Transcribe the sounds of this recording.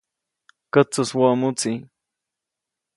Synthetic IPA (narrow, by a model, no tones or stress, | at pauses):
kat͡sʊswamʊt͡si